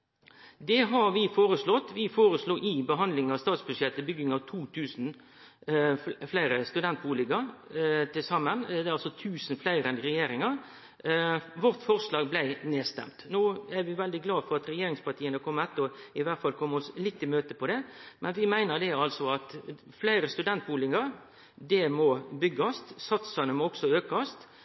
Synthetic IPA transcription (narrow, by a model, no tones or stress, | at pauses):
d̪ɛɦɑɾʋɪfoːɾəslɔt̪ːʋɪfoːɾəsluːʔɪbəɦɑnd̪lɪŋɑst̪ɑːt̪sbʉʂjɛt̪ːəbʏɡːɪŋɑʋt̪ʰuːt̪ʰʉːsn̩ | flæɪɾəst̪ʉd̪ɛnt̪̚buːlɪɡəɾt̪ʰɪlsɑmːənd̪ɛɑlsɔt̪ʰʉːsn̩flæɪɾəɛnɾɛjeːɾɪŋɑɾ | ʋɔʁt̪fɔʁʂlɑːɡblæɪneːst̪ɛ̰mt̪noːæɾʋɪʋɛld̪ɪɡlɑːfɔɾɑt̪ɾɛjeːɾɪŋspɑʁt̪iːənəkʰɔmːəɛt̪ːəɔɪʋæt̪fɑlkʰɔmːəɔslɪt̪ːɪmøːt̪əpʰɔd̪ɛmʔɛnʋɪmæɪnəd̪ɛɑlsɔɑt̪ | flæɪɾəst̪ʉd̪ɛnt̪̚buːlɪŋɑɾ | d̪ɛmɔbʏɡːɑst̪sɑt̪sɑnəmɔɔksɔøːkɑst̪